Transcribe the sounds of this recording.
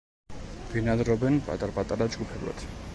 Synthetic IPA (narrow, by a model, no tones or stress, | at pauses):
v̥inad̪ɾɔbɛnpʼa̰t̪ʼaɾpʼat̪ʼaɾad͡ʒɡupʰɛblˠa̰t̪ʰ